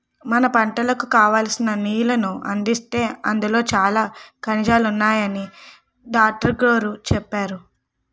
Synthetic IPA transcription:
mɐnɐpɐɳʈɐlɐkukaːʋaːlsinɐniːjlɐnuɐ̰nd̪ist̪e̞ːɐnd̪ulo̞ːt͡ʃaːlaːkɐnid͡ʒaːlunːaːjɐni | ɖaːk̚ʈɐɾɡɾo̞ːɾut͡ʃɛpːaːɾu

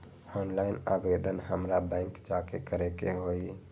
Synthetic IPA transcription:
onlaɪnabed̪ənɦəmɾabə̃ŋkd͡ʒakekəɾɛkeɦoi

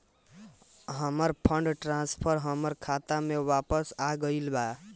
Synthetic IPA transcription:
ɦəməɾpʰəɳɖʈɾãnspʰəɾɦəməɾkʰat̪amewapəsaɡəilba

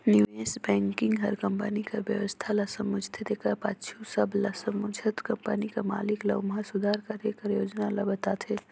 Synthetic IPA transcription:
njuesbɛ̃ːŋkɪ̃ŋɡɦɐɾkəmpənikɐʋjəʋəst̪ʰalɐsəmʊd͡ʒʱt̪ʰed̪ekɐpaʃʰusəblɐsəmʊd͡ʒʱət̪kɐmpənikama̰ːliklɐ̰ɡmasʊd̪ʱaːɾkɐɾekəɾjoːd͡ʒnalɐbɐt̪aːt̪ʰel

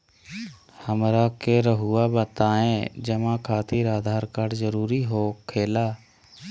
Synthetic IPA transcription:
həmɾakeɾəɦʊːabət̪aːẽːd͡ʒəmãkʰaːt̪iːɾaːd̪ʱaːɾkaɖzəɾuːɾiɦoːkʰeːlaː

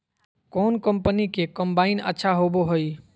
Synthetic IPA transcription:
kɔnkəmpənikekəmbainə̰tːʃʰaɦoboɦoj

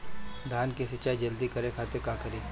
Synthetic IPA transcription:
d̪ʱaːnkesɪt͡ʃaːid͡ʒɐld̪ikɐɾẽkʰaːt̪ekaːkəɾiː

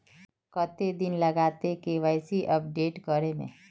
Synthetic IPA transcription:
kət̪ed̪ɪnlɐɡaːt̪ekeʋəɪsiʔɐp̚ɖeːʈkəɾemḛ̃ː

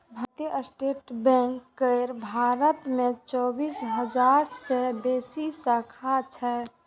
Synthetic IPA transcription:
bʱət̪jəʔəsʈeʈbɛ̃ŋkːəɪɾbʱaɾət̪mẽt͡ʃɔːbisɦəd͡ʒaɾsebeːsisəkʰat͡ʃʰɛ

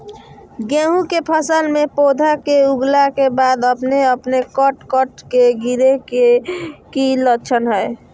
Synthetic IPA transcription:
ɡẽɦũkepʰəsəlmepod̪ʱakeuɡlakebad̪əpneəpnekəʈkəʈkeɡiɾekekilətt͡ʃʰənɦəj

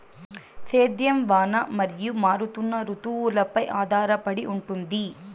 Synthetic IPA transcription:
t̪eːd̪jɐmʋaːnɐmɐɾijumaːɾut̪unːɐɾut̪uʋulɐpɐjʔaːd̪ʱaːɾɐpɐɽiʔuɳʈund̪i

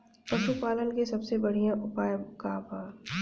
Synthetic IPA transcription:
pɐʃupaːlənkesɐbsebɐɽ̤ijãʔʊpaːjkaːbaː

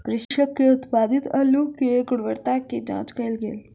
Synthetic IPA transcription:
kɾɪʃʃəkːeʊt̪pad̪it̪əlukeɡʊɽʋəɾt̪akːed͡ʒã̰ːt͡ʃkəɾəlɡḛːl

